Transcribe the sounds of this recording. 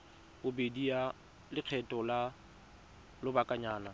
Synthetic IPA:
bʊbedia | lɪq͡χʰɛtʼɔla | lʊbakʼaɲaːna

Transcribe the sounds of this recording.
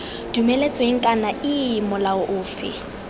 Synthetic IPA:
d̥umelet͡sʼweŋ̩kʼanaɪmʊlaʊʔʊːfɪ̰

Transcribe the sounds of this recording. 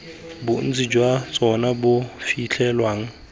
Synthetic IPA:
bʊn̩d͡zid͡ʒwat͡sʼɔnabʊfiɬʰɛlwaːŋ̩

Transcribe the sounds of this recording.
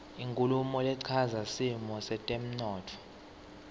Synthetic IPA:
iŋkʼulumɔlɛǀʰazasimɔsɛtʼem̩nɔːtʰɔ̥

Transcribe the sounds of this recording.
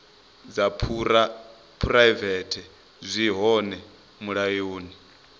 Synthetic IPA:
d͡zapʰuɾa | pʰuɾaivɛtʰɛ | zʷiɦɔnɛ | muɺajoːni

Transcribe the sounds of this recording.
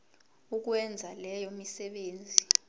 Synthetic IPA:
uk̬wɛnd͡zʱalɛjomisɛɓeːnd͡zʱi

